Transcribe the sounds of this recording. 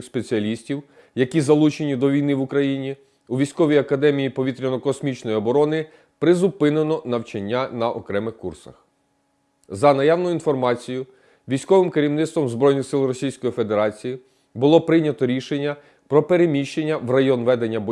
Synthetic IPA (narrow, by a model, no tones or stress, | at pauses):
spet͡sʲiɐlʲisʲtʲiw | jɐkʲizɐlˠut͡ʃenʲid̪ɔʋʲijnɪʋʊkɾɐjinʲi | uʋʲijsʲkɔʋʲijɐkɐd̪ɛmʲijipɔʋʲit̪ɾʲɐnɔkɔsmʲit͡ʃnɔjiɔbɔɾɔnɪ | pɾɪzʊpɪnenɔnɐwt͡ʃɐnʲːanɐʔɔ̰kɾɛmɪxkursɐ̰x | zɐnɐjawnʊinfɔrmɑt͡sʲijʊ | ʋʲijsʲkɔʋɪmkɐɾʲiwnɪt̪st̪ʋɔmzbɾɔjnɪxsɪlˠrɔsʲijsʲkɔjife̞d̪eɾɑt͡sʲiji | bʊlˠɔpɾɪnʲɐt̪ɔɾʲiʃenʲːɐ | pɾɔpeɾemʲiʃt͡ʃenʲːɐʋrɐjɔnʋɛd̪enʲːɐb